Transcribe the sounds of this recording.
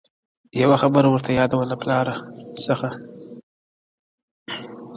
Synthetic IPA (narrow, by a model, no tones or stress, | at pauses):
jawaxabəɾawəɾt̪ʰajɑd̪awəlaplɑɾasəxa